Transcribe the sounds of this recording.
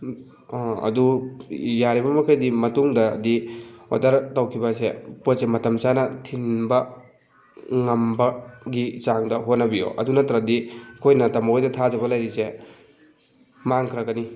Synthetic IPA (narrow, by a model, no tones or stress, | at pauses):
ɐ̰du | jaɾibɐmɐkʰajdimɐtuŋdɐ̰ːdio̰taɾtɐwkʰibɐseposemɐtɐmt͡ʃanɐtʰinbɐ | ŋɐmbɐɡit͡ʃaŋdɐɦotnɐbio̰ʔɐ̰dunɐtɾɐdikʰojnɐtɐmɐojdɐtʰazɐbɐlajɾise | maŋkʰɾɐɡɐni